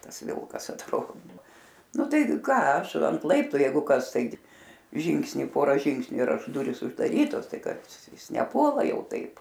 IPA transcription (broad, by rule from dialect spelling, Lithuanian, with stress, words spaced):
ˈtɐs ˈʋʲɪlˠkɐs ɐtˈroːdoː ˈnʊ ˈtɐɪ ˈkɑː ˈɐʃ ɐnt ˈlˠɐɪptʊ ˈjɛɪɡʊ ˈkɐs ˈtɐɪɡʲɪ ˈʒʲɪŋksʲnʲɪ ˈpoːrɐ ˈʒʲɪŋksʲnʲʊ ɪr ˈɐʃ ˈdʊrʲiːs ʊʒdɐˈrʲiːtoːs ˈtɐɪ ˈkɐs ˈjɪs nʲɛˈpuɔlˠɐ ˈjɛʊ ˈtɐɪp